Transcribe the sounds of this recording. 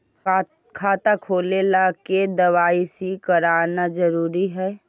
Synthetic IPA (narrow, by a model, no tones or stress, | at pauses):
kʰaːt̪akʰoːlelaked̪əʋaːisikəɾaːnad͡ʒəɾuːɾiɦɛː